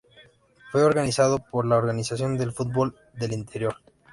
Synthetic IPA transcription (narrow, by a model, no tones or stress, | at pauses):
fwe̞o̞ɾɣanisaðo̞poɾlaoɾɣanisasjo̞nd̪e̞lfut̪̚bo̞l | d̪e̞lint̪e̞ɾjo̞ɾ